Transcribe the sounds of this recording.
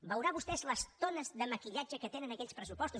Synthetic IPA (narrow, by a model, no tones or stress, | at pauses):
bəwɾaβust̪ɛzləst̪onəzðəməkiʎad͡ʒəkət̪enənəkɛʎspɾəsupɔst̪u